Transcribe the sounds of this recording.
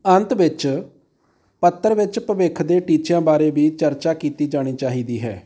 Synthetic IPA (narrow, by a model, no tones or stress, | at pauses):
ənt̪ʋɪt͡ʃ | pət̪ːəɾʋɪt͡ʃpəʋɪkʰd̪eːʈiːt͡ʃjãːbaːɾeːbiːt͡ʃəɾt͡ʃaːkiːt̪iːd͡ʒaːɽ̃iːt͡ʃaːɦiːd̪iːɦɛ̰ː